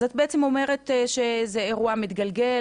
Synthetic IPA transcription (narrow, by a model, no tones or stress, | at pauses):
zot̪̚beet͡semo̞me̞ʁe̞t̪ʃezeeʁuamit̪ɡalɡe̞